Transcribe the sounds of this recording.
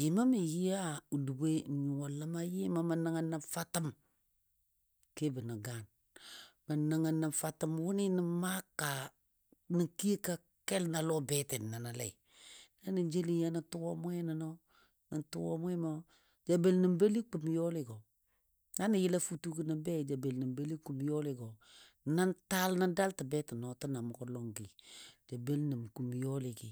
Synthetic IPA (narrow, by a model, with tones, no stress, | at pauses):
jɪ˨ma˦mi˨ji˦a˦u˨du˨be˦˨ɲu˨wɔ˨lə˦ma˦jɪ˦ma˨ma˨na˨ŋa˨nːa˨ɱfa˦tə˦m | ke˦bə˨nə˨ɡa˨n | mə˨na˨ŋa˨na˨ɱfa˨tə˨mwʊ˦ni˦nə˦ma˦ka˨ | nə˨ki˦e˦ka˦ | kɛ˦lna˨lo˦bɛ˦tɛ˨nːa˨na˨lɛ̰˨ | na˦nə˨d͡ʒe˦li˦ja˦nə˨tu˦wo˦mwɛ˦nə˨no˦ | nə˨ntu˦wo̰˦mwɛ˦mo˦ | d͡ʒa˨be˨lnə˨mbe˦li˦ku˨m˨jɔ˦lɪ˨ɡo˨ | na˦ni˨jɪ˦la˦fu˦tu˦kə˦nə˨bɛ˦˨d͡ʒa˨be˨lnə˨mbe˦li˦ku˨m˨jɔ˦lɪ˨ɡo˨ | na˦nta˦lna˦da˦ltə˨bɛ˦tə˨nɔ˨tə˦na˨mʊ˨kɔ˦lɔ˦ŋɡi˨d͡ʒa˨be˦lnə˨mku˨m˨jɔ˦lɪ˨ɡi˨